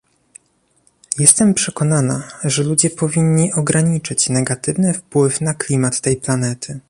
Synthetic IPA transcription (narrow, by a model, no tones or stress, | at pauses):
jɛst̪ɛmpʂɛkɔnana̰ʐɛlud͡ʑɛpɔvʲiɲːiʔɔɡɾaɲit͡ʂɘt͡ɕnɛɡat̪ɘvnɘfpwɘfnaklʲimat̪ːɛjplanɛt̪ʰɘ